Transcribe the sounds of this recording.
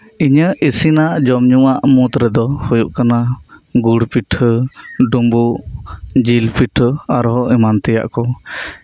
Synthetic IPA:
iɲəʔisinaʔd͡ʒɔmɲuaʔmut̪ɾɛd̪ɔhujuʔkanaɡuɽpiʈʰəɖumbuʔd͡ʒilpiʈʰəaɾɦɔʔimant̪ɛja̰ʔkɔ

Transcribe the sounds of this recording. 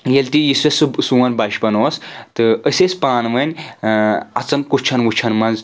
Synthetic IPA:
jɐlʲt̪ʲijisɐsɨsuwɐnbɐʃbɐnoːst̪ɨəsʲesʲpaːnʋɐnʲ | ɐt͡sɐnkut͡ʃʰɐnʋut͡ʃʰɐnmɐnz

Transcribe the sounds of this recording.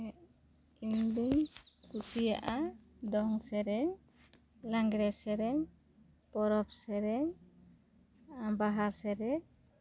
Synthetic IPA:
iɲdunkusija̰ʔa | d̪ɔŋsɛɾɛ | laŋɡɾɛsɛɾɛ | pɔɾɔp̚sɛɾɛ | abaɦasɛɾɛ

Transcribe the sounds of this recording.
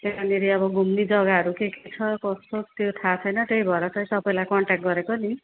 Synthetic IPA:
t̪emaniɾiɔbɔɡumnid͡ʒɔɡaɔɾukeket͡ʃʰʌkɔstot̪ewt̪ʰat͡ʃʰɔjnat̪ejbʱɔɾɔsʰʌjsɔpɔjlakɔɳʈakʈ̚ɡɔɾekɔni

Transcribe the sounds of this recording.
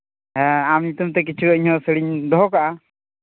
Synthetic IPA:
ɛamɲut̪umt̪ɛk̬it͡ʃʰuəiɲɔsəɽiɲd̪ɔɦɔkaʔa

